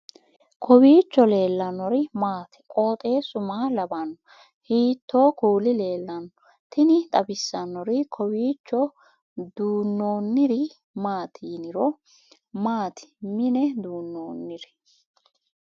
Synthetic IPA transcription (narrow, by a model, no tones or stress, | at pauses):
kʰɔwiːt͡ʃːɔle̞ːlːɐnɔɾɪmaːt̪ɪ̥kʼo̞ːt̪ʼe̞ːsʊmaːlɐbɐnːɔ | hiːt̪ːo̞ːkuːlɪle̞ːlːɐnːɔ | t̪ʰɪnɪt̪ʼɐbɪsːɐnːɔɾɪkʰɔwiːt͡ʃːɔ | d̪uːnːo̞ːnːɪɾɪ | maːt̪ʰinɪɾɔ | maːt̪ʰɪ̥mɪnɛd̪uːnːoːnːɪɾɪ